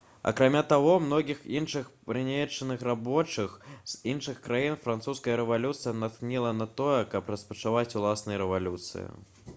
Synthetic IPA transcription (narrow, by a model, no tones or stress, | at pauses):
ɐ̰kɾamʲat̪aɣɔmnɔɣʲixinʂɨxpɾɨnʲet͡ʂːɐnɨxrabɔt͡ʂɨxz̥inʂɨxkɾajinfɾant̪suskɐjɐɾɛvalʲut̪sɨjɐnat̪knʲilˠɐnɐt̪ɔjɛkɐpɾɐspɐt͡ʂavat͡sʲulˠasnɨjɐɾɛvalʲut̪sɨ̰jḭ